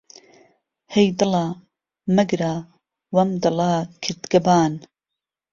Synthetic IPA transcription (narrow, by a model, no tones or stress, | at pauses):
hejd̪ɨla | mɐɡɾa | wɐmd̪ɨlakʰɨɾd̪ɡɐbaːn